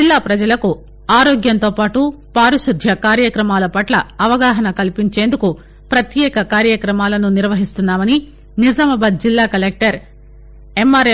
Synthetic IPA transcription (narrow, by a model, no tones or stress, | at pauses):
ilːaːpɾɐd͡ʒɐlɐku | aːɾoːɡjɐnt̪oːpaːʈupaːɾuʃud̪ʱjɐkaːɾjɐkɾɐmaːlɐpɐʈlɐɐʋɐɡaːɦɐnɐkɐlipiɲt͡ʃe̞ːnd̪uku | pɾɐt̪jɛːkɐkaːɾjɐkɾɐmaːlɐnuniɾʋɐɦist̪unːaːmɐni | nizɐmɐbɐːd̪̚d͡ʒilːaːkɐlek̚ʈɐɾ | emːaːɾ